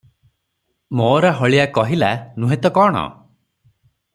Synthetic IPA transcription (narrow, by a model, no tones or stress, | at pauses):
moːɾaɦɔɭijakɔɦilanũɦet̪ɔkɔːɽ̃ɔ̰